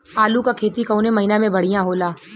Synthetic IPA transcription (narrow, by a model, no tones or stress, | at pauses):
aːlukakʰeːt̪ikɐunemɐɦinamẽbɐɽ̤ijãɦoːlaː